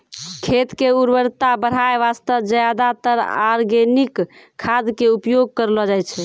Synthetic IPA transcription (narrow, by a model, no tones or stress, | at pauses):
kʰet̪keuɾbəɾt̪abəɾ̤ɦaeʋast̪əd͡ʒəjad̪at̪əɾa̰ɾɡenikʰː | ad̪keupjoɡ̚kəɾlɔd͡ʒajt͡ʃʰɛ